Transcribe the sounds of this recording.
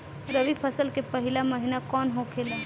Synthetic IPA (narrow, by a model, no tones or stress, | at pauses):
ɾəʋipʰəsəlkepɐɦɪlamɐɦɪnakɔːnɦokʰel